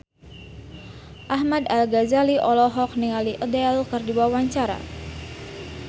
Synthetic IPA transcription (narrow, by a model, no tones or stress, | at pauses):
ʔaɦmad̪alɡazaliʔɔlɔɦɔk̚niŋaliʔədɛlkɨrdiwawaɲt͡ʃaɾa̰